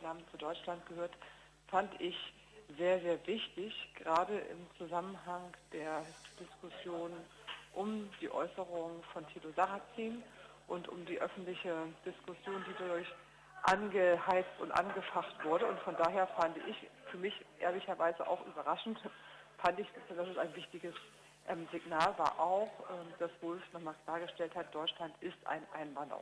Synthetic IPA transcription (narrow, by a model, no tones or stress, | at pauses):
naːmənt͡sudɔʏt͡ʃlantɡ̥əhøːɐt | fandəʔɪç | z̥eːɐzeːɐvɪçtɪçɡ̥ʁaːdəʔɪ̰mt͡suzamənɦaŋd̥eːɐd̥ɪskʊsjoːn | ʔʊmd̥iːʔɔ̰ʏsəʁʊŋfɔntʰiːlozaʁat͡siːnʔʊntʔʊ̰mdiːʔœfn̩tlɪçəd̥ɪskʊsjoːndiːdʊʊɐç | ʔanɡəhaɪt͡stʊntʔa̰nɡəfaχtv̥ʊɐdəʊntfɔndaːɦeːɐfandəʔɪçfyːɐmɪçʔḛːɐlɪçɐvaɪzəʔa̰ʊxʔy̰ːbɐʁaʃn̩t | fandɪç̥tadasɛsaɪnvɪçtɪɡəs | ʔɛmzɪɡnaːlva̰ːɐʔaʊxʔɛːmd̥asv̥ɔlfnɔχmaːlkʰl̥aːɐɡəʃtɛlthat̚d̥ɔʏt͡ʃlantɪstʔa̰ɪnʔa̰ɪnvandɐ̰